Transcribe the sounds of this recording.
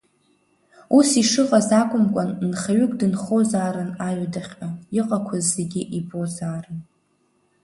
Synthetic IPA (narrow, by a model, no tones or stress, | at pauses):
usiʂɨqʼazakʷʼʊmkʷʼannχaɥʊkʷʼdɨnχozaːɾɨnaɥadaχʲaiqʼakʷʰazːe̞ɡʲɪʔibo̞zaːrɨn